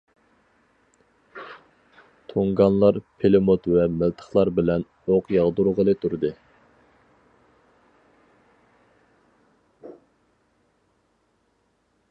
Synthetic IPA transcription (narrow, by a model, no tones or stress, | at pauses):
t̪ʰoŋɡɑnlˠɑɾpʰelɪmot̪vɛmɪlt̪ʰə̥χlˠɑɾbɪlɛn | oqjɑʁd̪uɾʁəlˠɨt̪ʰuɾɨd̪ɨ